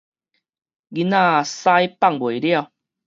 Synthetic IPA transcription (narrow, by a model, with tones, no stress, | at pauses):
ɡi˧˦nã˧˨sa˦jpa˥˨ŋbwe˨˩lja˥˨